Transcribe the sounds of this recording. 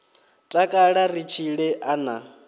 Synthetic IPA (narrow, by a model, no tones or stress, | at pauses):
tʼakʼaɺarit͡ʃʰiɺɛʔana